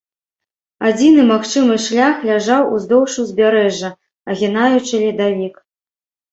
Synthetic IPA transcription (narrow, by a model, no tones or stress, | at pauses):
ad͡zʲinɨmaxt͡ʂɨmɨʂlʲaxlʲaʐawuzd̪ɔwʂuzʲbʲaɾɛʐːɐ | ɐɣʲinajut͡ʂɨlʲid̪avʲik